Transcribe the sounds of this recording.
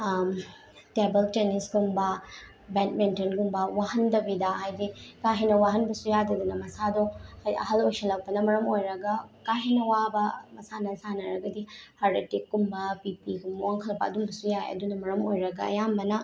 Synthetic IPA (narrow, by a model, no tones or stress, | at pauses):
tebeltenisɡumbɐ | bentmentɐnɡumbɐwaɦɐndɐbidɐhajdikaɦinɐwaɦɐnbɐsujadɐdunɐmɐsadɔhajɐ̰ɦɐlojsɐlɐw̚pɐnɐmɐɾɐmojɾɐɡɐkaɦinɐwabɐmɐsanɐsanɐɾɐɡɐdihaɾbetik̚ɡumbɐpipiɡumbɐwaŋkʰɐlpa̰ɐ̰dumbɐsujajɐ̰dunɐmɐɾɐmojɾɐɡɐɐ̰jambɐnɐ